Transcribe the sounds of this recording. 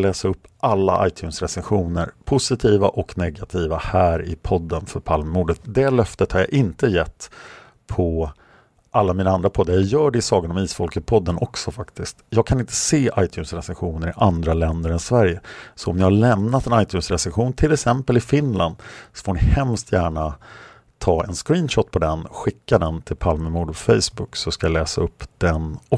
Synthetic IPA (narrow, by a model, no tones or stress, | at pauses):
lɛːsaɵpːʔalːa̰ʔa̰jt̪ʰjʉːnsɾɛsɛnɧuːnəɾpʰʊsɪt̪ʰiːva̰ʔɔknɛɡat̪ʰiːvahæːɾɪ̰pʰɔd̪ːənfœɾpʰalmːuːɖət̪̚d̪ɛlœft̪ət̪haɾja̰ʔɪnt̪əjɛt̪ː | pʰɔ | ʔalːamiːnaand̪ɾapʰɔd̪ːajajœːɖɛɪsɑːɡənɔmiːsfɔlkəpʰɔd̪ːənʔɔksɔfakt̪ɪskt̪jɑːɡ̚kʰanɪnt̪ʰə̥seːʔajt̪ʰjʉːnsɾɛsɛnɧuːnəɾɪʔand̪ɾalɛnd̪əɾɛnsvæɾjəsɔɔmnɪhalɛmnat̪ɛnajt̪ʰjʉːnsɾɛsɛnɧuːnt̪ʰɪlɛksɛmpəlɪfɪnland̪sɔ̥foːɳɪhɛmst̪ʰjæːɳa | t̪ʰɑːɛnskɾiːnɕɔt̪ːpʰɔd̪ɛnɧɪkːad̪ɛnt̪ʰɪlpʰalməmuːɖɔfɛjsbʊksɔskajalɛːsaɵpːd̪̥ɛnɔ